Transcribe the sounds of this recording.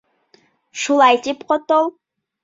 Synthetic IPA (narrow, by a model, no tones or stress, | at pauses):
ʃulˠɑjt̪ipqot̪olˠ